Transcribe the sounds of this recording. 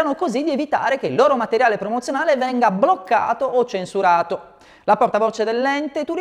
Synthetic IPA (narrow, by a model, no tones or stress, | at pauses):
anokozid̪ievit̪a̰ːɾek̟eilːoːɾomat̪eɾjaːlepɾomot̪sjonaːlevɛŋɡablokːa̰ːt̪oːt͡ʃːensuɾaːt̪o | laport̪avot͡ʃed̪elːɛnt̪et̪ur